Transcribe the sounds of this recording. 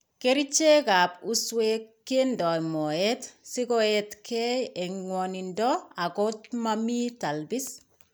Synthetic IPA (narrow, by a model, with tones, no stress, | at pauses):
keɾi˦t͡ʃe˦ka˨pu˦swekːe˦ndɔ˨mɔ˨ɛtsɪ˦koɛtkʰɛ˦ɛŋwɔni˨ndɔa˨ko˦tmami˦ta˨lbi˦s